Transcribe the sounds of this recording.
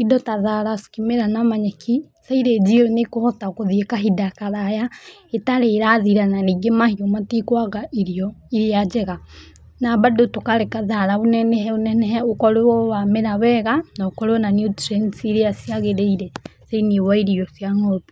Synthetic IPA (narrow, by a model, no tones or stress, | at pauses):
idɔtaðaɾaskimeɾanamaɲɛkʰi | saiɾed͡ʒiɾɔnekoβɔtakoðiekaɦidakaɾajaetaɾeɾaðiɾananiɡemahiɔmatikwaɣaʔiɾiɔiɾead͡ʒɛɣa | nabadotokaɾekaðaɾaonɛnɛhɛonɛnɛɦɛokɔɾewɔwameɾawɛɣanaokɔɾewɔnanjutɾɛnsiɾeasiaɣeɾeiɾɛseiniewaiɾiɔsjaŋɔpi